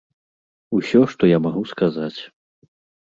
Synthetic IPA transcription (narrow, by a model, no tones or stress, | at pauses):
usʲɔʂt̪ɔjamaɣuskazat͡sʲ